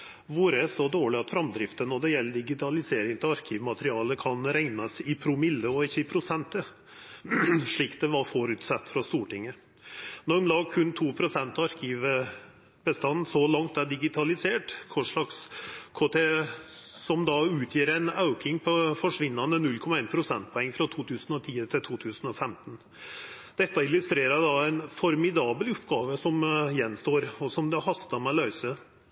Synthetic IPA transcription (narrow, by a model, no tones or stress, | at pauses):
ʋuɾəsɔd̪oːɭɪɑt̪fɾɑmd̪ɾɪft̪ənɔd̪ɛjɛlːəɖɪɡɪt̪ʰɑlɪseːɾɪŋt̪ʰɪlɑɾkʰɪʋmɑt̪əɾɪɑːləkʰɑnɾæɪnɑsɪpʰɾʊmɪlːəɔɪçːəɪpʰɾʊsɛnt̪ə | ʂɭiːkd̪ɛʋɑɾfɔɾʉt̪sɑt̪ːfɾɑst̪uːʈɪŋːə | nɔɾmlɑːɡ̚kʰʉnt̪ʰuːpʰɾʊsɛnt̪ɑɑɾkʰiʋ | bəst̪ɑnːn̩sɔlɑŋt̪æɖɪɡɪt̪ʰɑlɪseːʈkʰɔʂɭɑkskʰɔt̪ʰe | sɔmd̪ɑʉːt̪ʰjiːɾɛnɑʉkɪŋpʰɔfɔʂʋɪnːɑnənʉlkʰɔmɑeːnpʰɾʊsɛnt̪̚pʰɔɛŋːfɾɑt̪ʰuːt̪ʰʉːsn̩ɔt̪ʰiːət̪ʰɪlt̪ʰuːt̪ʰʉːsn̩ɔfɛmt̪n̩ | d̪̥ɛt̪ːɑɪlʉst̪ɾeːɾɑɖɑæɪnfɔɾmɪd̪ɑːbəlʊpɡɑːʋəsɔmjɛnːst̪oːɾɔsɔmd̪ɛhɑst̪ɑmɛlœʏsə